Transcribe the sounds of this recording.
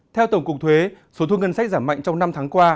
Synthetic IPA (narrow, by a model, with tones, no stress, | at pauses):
t̪ʰɛ˧wt̪ə˧˩ŋ͡mkʊ˨˩k͡p̚t̪ʰwe˨˦ | so˨˦t̪ʰu˧ŋə˧nsa˦˥k̚zaː˧˩ma̰˧˨jŋ̟t͡ɕɔ˧wŋ͡mna˧mt̪ʰaː˨˦ŋkwaː˧